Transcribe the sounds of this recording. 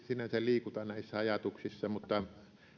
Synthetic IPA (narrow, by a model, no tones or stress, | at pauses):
sinːæseliːkut̪ɑnæˑisːæɑjɑt̪uksisːɑmut̪ːɑ